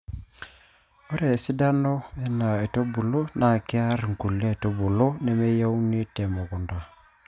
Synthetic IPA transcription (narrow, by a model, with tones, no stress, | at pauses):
ɔ˦ɾɛ˨si˦da˦nɔ˦ɛ˦na˨e˨to˦bu˨lo˦na˨kɪ˦a˦ɾŋ˨ku˨le˦˨to˦bu˨lo˦nɛ˦me˦ja˦u˦ni˦tɛ˨mɔ˨kʊ˨nda˨